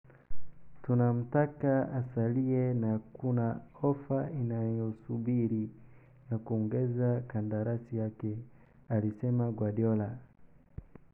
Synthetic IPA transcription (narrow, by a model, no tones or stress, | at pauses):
tunam̩takaasaliɛnakunaɔfainajɔsubiɾi | jakuɔŋɡɛzakandaɾasijakɛ | alisɛmaɡwaɗiɔla